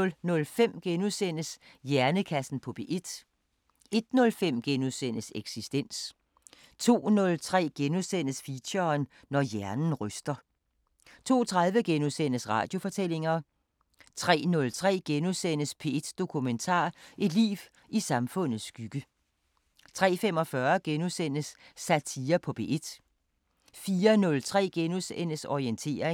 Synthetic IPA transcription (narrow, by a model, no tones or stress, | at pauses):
nɔ̽lnɔ̽lfem̰ɡ̥enusen̰əsjæɐnəkʰæsn̩pʰɔ̽b̥e̝ʔe̝d̥ | e̝d̥nɔ̽lfem̰ɡ̥enuðˠsen̰əseɡ̥sisd̥en̰s | t͡sʰo̝̰ːnɔ̽lt͡sʰʁɛ̰ːɡ̥enuðˠsen̰əsfiɕɐːnː | ɒjæɐnn̩ʁœsd̥ɐ | t͡sʰo̝̰ːt͡sʰʁaðˠʋəɡ̥enusenəsʁɑ̰̈ːd̥jo̝fɒ̽t͡sʰel̰e̝ŋɐ | t͡sʰʁɛ̰ːnɔ̽lt͡sʰʁɛ̰ːɡ̥enusen̰əspʰe̝ed̥ːd̥o̝kʰument͡sʰɑ̰̈ːʔe̝d̥lḭːw | isɑ̈mfɔ̽n̰ð̩ˠsːɡ̥yɡ̥ə | t͡sʰʁɛ̰ːfem̰ɒ̽fɶɐɡ̥enusen̰əsːæt͡sʰiːɐpʰɒ̽b̥ʰe̝ʔed̥ | fiːɐnɔ̽lt͡sʰʁɛ̰ːɡ̥enusen̰əsɒient͡sʰe̝̰ːɐe